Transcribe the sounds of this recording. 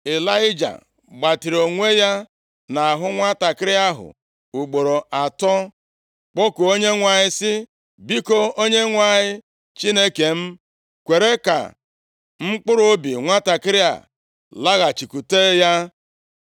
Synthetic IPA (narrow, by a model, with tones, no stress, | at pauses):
ɪ˨la˦ɪ˦d͡ʒa̰˨ | ɡ͡ba˨tɪ˨ɾo˨ŋʷe˦ja˦ | na˨a˨ɦʊ˦ŋʷa˦ta˨kɪ˦ɾɪ˦a˦ɦʊ̰˨ | u˨ɡ͡bo˨ɾo˨ʔa˨tɔ˦ | k͡po˦ku˨o˦ɲe˦ŋʷa˨ɲɪ˦sɪ˦ | bi˦ko˦o˦ɲe˦ŋʷa˨ɲɪ˦ | t͡ʃi˦ne˦ke˨m̩˦ | kʷe˨ɾe˦ka̰˨ | ŋ͡m̩˦k͡pʊ˦ɾo˦bi˨ŋʷa˦ta˨kɪ˦ɾɪ˦a̰˨ | la˦ɣa˨t͡ʃi˨ku˨te˦ja˦